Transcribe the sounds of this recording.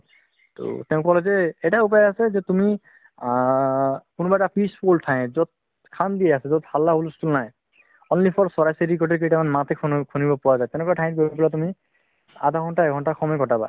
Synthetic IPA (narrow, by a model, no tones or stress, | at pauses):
to̰tɛʊ̃kɔlɛzɛɛtaup̬ajɔasɛzɛtumi | kʊnubaɛtapʰispʰoltʰãj̃zɔt̪̚ | kʰand̪ijɛasɛzɔt̪̚halːaɦolskulnaj | ɔnlipʰɔɹsɔɹajseɹik̬ɔɹʈɛkejtamanmãt̪ɛkʰkʰunibɔpɔwazajt̪ɛnɛkɔatʰaj̃it̚koibɔplatumi | a̰d̪ʱaɦɔntaɛkʰɔntaxʰɔmɔjɡɔtaba̰